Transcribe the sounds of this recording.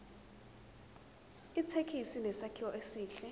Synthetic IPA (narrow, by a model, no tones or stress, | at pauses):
it͡sʰekʰisinɛsakʰiwɔʔesiːɬɛ